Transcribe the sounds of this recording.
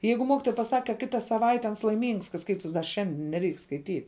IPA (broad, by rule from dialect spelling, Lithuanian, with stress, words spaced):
ˈjɛɪɡʊ ˈmoːkʲɪtoːjɛ pɐˈsɐk kɐ ˈkʲɪtɐ sɐˈʋɐɪtʲɛ ɐns lˠɐɪˈmʲiːŋks kɐ ˈskɐɪtʊs dɐ ˈʃʲɛnʲdʲɪn nʲɛˈrʲɛɪk skɐɪˈtʲiːt